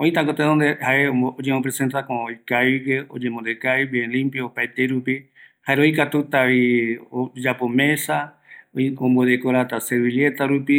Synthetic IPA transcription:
õĩt̪akot̪eðond̪ehaeod͡ʒemõpɾesẽnt̪akojkajɡeo̰d͡ʒẽmond̪ekaibeẽlĩmpjaopajt̪eɾupi | haeɾojkat̪ut̪aβiod͡ʒapo̞mẽ̞sa | õmbodekoɾat̪aseβiljet̪aɾupi

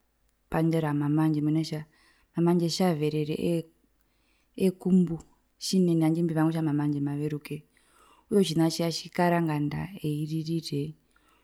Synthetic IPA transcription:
pandeɾamamand͡ʒemuneʃa | mamand͡ʒeʃaveɾeɾḛʔ | ekumbu | ʃineniand͡ʒimbiʋaŋweʃamamand͡ʒemaʋeɾuke | ujot͡ʃinat͡ʃiaʃikaɾaŋɡanda̰eiririre

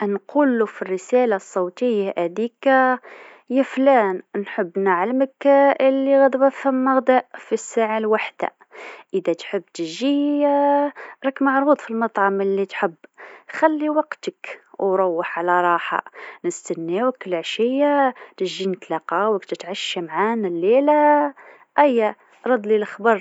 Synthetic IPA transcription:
ʔnqʰulːufirːəsælasˤːɑwt̪əjːaʔæd̪ik | jæflænnħəbːnaʕalməkʔəlːiɣæd̪bæfhæmːəɣd̪æʔfisːaʕalwaħd̪̥a̰ | ʔəd̪æt̪ħəbːt̪əʒi | ɾˤɑkːmaʕɾud̪ˤfilmɑt̪ˤʕɑməlːit̪ħəbːxælːiwɑqt̪əkwɾˤowːəħʕlæɾˤɑħa̰nəst̪ænːewəkːəlʕʃəjːat̪əʒinət̪lɑqɑwəkt̪ət̪ʕaʃːamʕanalːela | ʔæjːa | ɾˤɑd̪ˤlilxbɑɾˤ

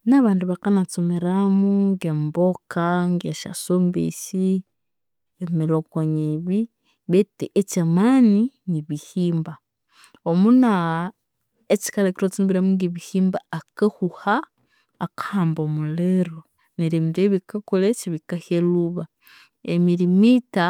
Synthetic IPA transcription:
naβaːnduβakanat͡someɾamuŋɡembokaŋɡeʃa̰sombḛsi | emelokwaɲeβi | βeteʔet͡ʃamaːniniβihiːmba | omuna | et͡ʃi̥kalekiɾot͡sumbiɾamuŋɡiβihiːmbaakahuhaː | kḁhaːmbomuleɾo | neɾemiɾeβikakolet͡ʃiβikaheluβa | emiɾimita

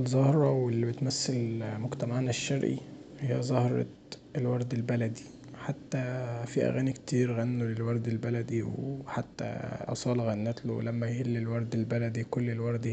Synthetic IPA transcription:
ʔelzˤɑhɾˤɑwelːibet̪mæsːelmoɡt̪æmaʕnæʃːɑɾʔḭ | hejːæzˤɑhɾˤɑ̰ | elwɑɾˤd̪elbælæd̪i | ħat̪ːæfiʔæ̰ɣæːnikt̪iːɾɣænːulelwɑɾˤd̪elbælæd̪iwħat̪ːæ̰ʔɑ̰sˤɑːlɑɣænːæːt̪lo̰wlæmːæjhelːelwɑɾˤd̪elbælæd̪ikolːelwɑɾˤd̪i

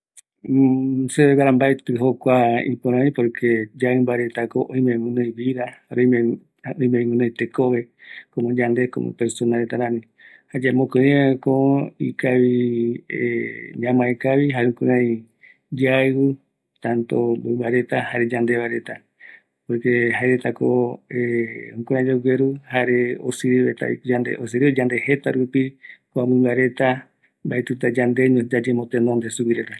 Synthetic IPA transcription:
seβeβaɾambaet̪ɨɦokʷaḭpoɾãĩpoɾkʰed͡ʒaɨmbaɾe̞t̪akoʔõj̃mẽmɨ̃nɨ̃jβiɾahaɾõe | õĩmẽmɨ̃nɨ̃jt̪ekoβe̞komõd͡ʒand̪e̞ko̰mõ̰peɾsonaɾet̪aɾãnĩ | had͡ʒamõkɨiẽkoḭkaβi | ɲãmãekaβiɦaɾũkɨ̃ɾãĩ | d͡ʒaɨɨ | t̪ãnt̪ombɨmbaɾe̞t̪ahaɾed͡ʒand̪e̞βaɾet̪a | pokeɦaeɾet̪akoeũkuɾãd͡ʒoɡʷeɾuhaɾeo̰sɨɾiet̪a̰and̪eʔos̬ɨɾiod͡ʒand̪ehe̞t̪aɾupikoambɨmaɾe̞t̪a | mbaet̪ut̪ad͡ʒand̪eɲod͡ʒad͡ʒemõt̪ẽnõnd̪esupiɾet̪a

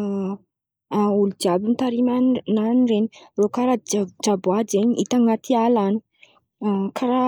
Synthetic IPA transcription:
aulud͡ʒiabint̪aɾimananireɲirokaɾad͡ʒabuad͡ʒeɲiʔḭt̪aŋat̪ʰialanu̥ | kʰaɾa

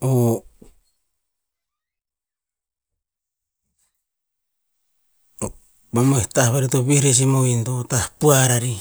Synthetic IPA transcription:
o | bamoehtahβaɾitoβihɾes̬imointotahpuaɾaɾi

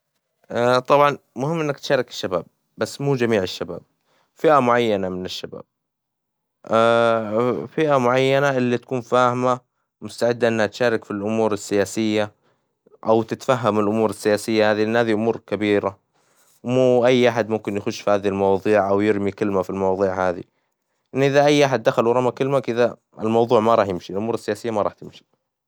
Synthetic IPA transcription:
ʔat̪ˤɑbʕɑn | mʊhɪmːʔɪnːakt̪ʃaːɾˤɑkɪ̥ʃːabaːb̚ː | asːmuːd͡ʒamiːʕɪʃːaba̰ːb̚ | fɪʔamʊʕajːanamɪnɪʃːaba̰ːb̥̚ | ʔa | fɪʔamʊʕajːanaʔɪlːit̪ḁkuːnfaːhɪma | mʊst̪aʕɪd̪ːaʔɪnːhat̪ʃaːɾˤɪkfilʔʊmuːɾɪsːɪjaːsɪjːa | ʔawt̪ɪt̪faɦːamɪlʔʊmuːɾɪsːɪjaːsɪjːahaːðiʔɪnːhaːðiʔʊmuːɾkabiːɾa | wmuːʔajːʔaħad̪mʊmkɪnjxʊʃfihaːðilmɑwɑːðˤiːʕʔawjɪɾmikɪlmafilmɑwɑðˤiːʕhaːðḭ | ʔɪnːʔɪðaʔajːʔaħad̪̚ːaxalwɾˤɑmakɪlmakʔɪða | ɪlmɑwðˤuːʕmaɾˤɑːħjɪmʃiɪlʔʊmuːɾɪsːɪjaːsɪjːamaɾˤɑ̰ːħt̪ɪmʃi̥

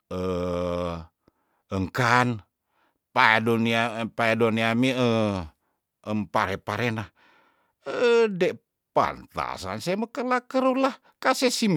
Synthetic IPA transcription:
ə | əŋkan | padoniapaedoniamiə | əmpaɾɛpaɾenah | əde | pa̰nt̪a̰sa̰nsaməkəlakəɾulah | kasesim

